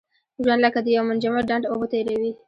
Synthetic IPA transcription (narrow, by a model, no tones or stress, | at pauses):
ʒwand̪ləkad̪əjawmʊnd͡ʒamaɖaɳɖobət̪ajɾawi